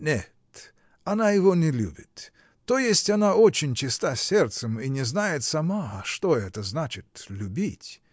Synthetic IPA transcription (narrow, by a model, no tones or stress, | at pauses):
nʲet̪ | ɐnajɪvonʲɪlʲṵbʲɪt̪ː | ojesʲtʲɐnaot͡ɕɪnʲt͡ɕɪst̪asʲert̪səminʲɪznajɪt̪sɐmaʂt̪oɛt̪əznat͡ɕɪt̪lʲʊbʲitʲ